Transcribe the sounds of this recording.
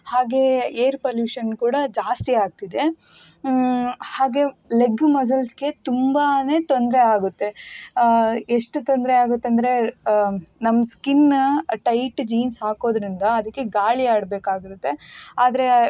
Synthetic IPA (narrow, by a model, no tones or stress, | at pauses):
haːɡe̞eːɾpoljuːʃɐnkuːɽɐd͡ʒaːst̪iaːɡ̚t̪id̪e̞ | haːɡe̞leɡumɐs̬ɐlsɡe̞t̪umbane̞ːt̪o̞nd̪ɾe̞aːɡut̪ːe̞ | eʂʈut̪ond̪ɾeaːɡut̪ːeɐnd̪ɐɾe̞ | nɐmːɐskinʈɐjʈd͡ʒiːnsɦaːko̞ːd̪ɾind̪ɐːd̪ɐkːe̞ɡaːɭiaːɽbeːkaːɡiɾut̪ːe̞aːd̪ɾe̞